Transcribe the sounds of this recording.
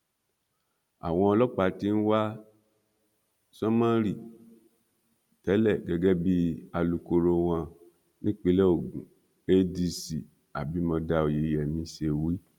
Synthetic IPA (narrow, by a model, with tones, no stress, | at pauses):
a̰˨w̃ɔ̃˧ɔ˧lɔ˦k͡pa˧˦ti˧˦n̩˦wa˦ | sɔ˦mã˦ɾi˦˨ | tɛ˨˦lɛ˦˨ɡɛ˧ɡɛ˦bi˦a˧lu˧ko˧ɾo˧w̃ã˧ | nĩ˦k͡pi˧˦lɛ˦o˦˨ɡũ˨ | e˦di˧si˨ | a˨bi˨˦mɔ̃˧da˧o˨je˨˦jɛ˨mĩ˧ʃe˧wi˦